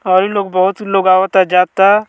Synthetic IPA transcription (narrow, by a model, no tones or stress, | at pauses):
ɔːɾiloːɡ̚bɔɦʊt̪loːɡaːʋət̪ad͡ʒaːt̪a